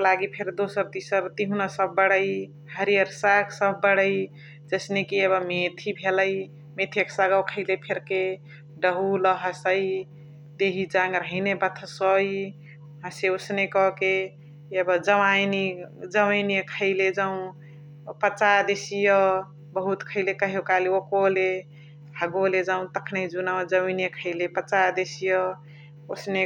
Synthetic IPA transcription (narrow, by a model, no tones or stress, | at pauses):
laɡipʰeɾd̪osəɾt̪isəɾt̪iɦunasəb̚ːəɽəj | ɦəɾijəɾsaksəbːəɽəj | d͡ʒəsnekiebəmet̪ʰibʱeləj | met̪ʰeksaɡawkʰəɪlepʰeɾke | ɖəɦuləɦəsəj | d̪eɦid͡ʒãŋɡɾəɦinebət̪ʰəsɔi | ɦəseosnekɔke | ebəd͡ʒəmanid͡ʒəməjnkʰəɪled͡ʒaũ | pət͡ʃad̪esijɔ | bəɦut̪kʰəɪlekəɦekaliokole | ɦəɡoled͡ʒaũt̪əkʰnəd͡ʒunad͡ʒəminjekʰəɪlepət͡ʃad̪esijɔ | osne